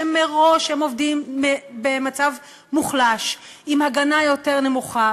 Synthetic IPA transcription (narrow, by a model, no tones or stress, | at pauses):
emeʁo̞ʃhemo̞vdimebemat͡sav | muχlaʃ | imhaɡanajo̞te̞ʁne̞muχa